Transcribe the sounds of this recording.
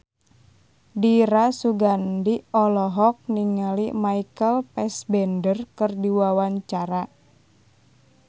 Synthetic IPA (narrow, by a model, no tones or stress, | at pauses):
diɾasuɡandiɔlɔɦɔk̚niŋalimaikəlpɛsbɛndərkɨrdiwawaɲt͡ʃaɾa